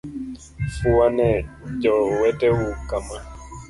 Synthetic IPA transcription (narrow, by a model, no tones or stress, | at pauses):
fuanɛd͡ʒɔwɛtɛwukama